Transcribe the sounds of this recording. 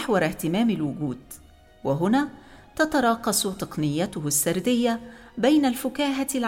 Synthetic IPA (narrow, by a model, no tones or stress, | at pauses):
ħwɑɾˤɪht̪ɪmaːmɪlwʊɡuːd̪̥̚ | wɪɦʊnaːt̪at̪ɑɾˤɑːqɑsˤʊt̪ˤɑqnɪjːat̪ʊhsːɑɾˤd̪ɪjːabajnalfʊkaːɦal